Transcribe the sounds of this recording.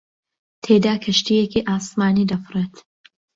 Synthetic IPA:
t̪ʰeːd̪aːkʰɐʃt̪ijekiʔaːsmaːniːd̪ɐfɨreːt̪

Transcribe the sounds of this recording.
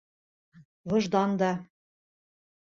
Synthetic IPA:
βɤ̆ʒd̪ɑnd̪ɑ

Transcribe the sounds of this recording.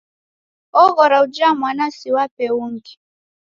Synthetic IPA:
ɔɣɔɾaud͡ʒamwanasiwapɛuŋ̩ki̥

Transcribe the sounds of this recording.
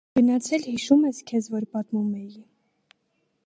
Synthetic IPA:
ɡ̥ənɑt͡sʰɛlhiʃumɛskʰɛzvɔɾpɑt̪mumɛji

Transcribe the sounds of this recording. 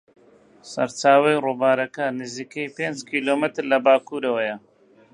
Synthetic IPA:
sɐ̰ɾt͡ʃaːwɐjruːbaːɾɐkɐnɨziːkejpeːnd͡ʒkʰiːloːmɨt̪ɾlɐbaːkuːɾɐwɐjɐ

